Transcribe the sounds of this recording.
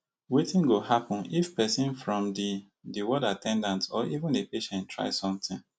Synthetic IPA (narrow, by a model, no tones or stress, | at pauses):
wetĩnɡohapɔ̃nifpɛsĩnfɹɔ̃mdi | diwɔdatʰɛ̃ndãntsɔʔivĩndepeʃɛ̃ntʰːɹa̰ɪsɔ̃mtĩn